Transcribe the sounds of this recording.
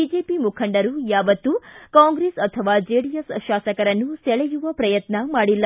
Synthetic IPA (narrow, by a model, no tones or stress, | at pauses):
id͡ʒeːpimukʰɐɳɖɐɾujaːʋɐt̪ːukaːŋɡɾeːsɐt̪ʰɐʋaːd͡ʒeːɽijesʃaːsɐkɐɾɐnːusɛɭɛjuʋɐpɾɐjɐt̪nɐmaːɽilːɐ